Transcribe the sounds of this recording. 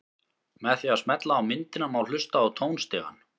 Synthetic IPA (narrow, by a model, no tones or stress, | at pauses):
mɛðθiaðsmɛt̪laːwmɪnt̪ɪnamawl̥ʏst̪aːwt̪ʰoːwnst̪ɪːɣa̰n